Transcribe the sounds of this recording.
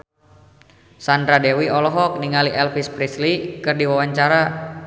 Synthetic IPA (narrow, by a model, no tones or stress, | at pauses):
sandɾadɛwiɔlɔɦɔk̚niŋaliʔɛlfispɾislikɨrdiwawaɲt͡ʃaɾa